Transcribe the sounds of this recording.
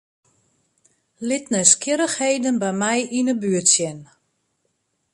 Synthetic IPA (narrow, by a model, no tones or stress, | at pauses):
lɪtnəskɪɾəxheːdənbɛjmɛjʔinəbyːətsjɛn